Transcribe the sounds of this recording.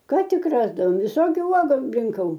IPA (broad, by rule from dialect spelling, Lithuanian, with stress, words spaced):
ˈkɑː ˈtʲɪk rɐzdɐʋoːm ʋʲɪˈsoːkʲʊ ˈuɔɡʊ rʲɪŋˈkɐʊ